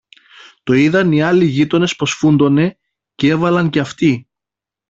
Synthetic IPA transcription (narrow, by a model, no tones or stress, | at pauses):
t̪o̞iðɐniɐliʝit̪o̞ne̞spɾo̞sfund̪o̞ne̞ | cee̞vɐlɐɲce̞ɐft̪i